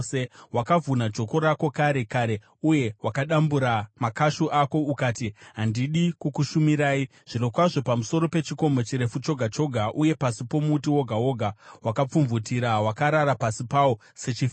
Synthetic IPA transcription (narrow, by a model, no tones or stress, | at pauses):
sewakavunad͡ʒo̞ko̞ɾako̞kaɾe̞kaɾe̞ | uje̞wakaɗambuɾamakaʃuʔako̞ukaːtiɦandiɗikokuʃumiɾaːi | ʐ̥ino̞kwaʐo̞pamuso̞ɾo̞pe̞t͡ʃiko̞mot͡ʃiɾe̞fut͡ʃo̞ɡʱat͡ʃo̞ɡʱaʔuje̞pasipo̞mutiwo̞ɡʱawo̞ɡʱawakap͡fuɱvutiɾawakaɾaɾapasipawo | set͡ʃif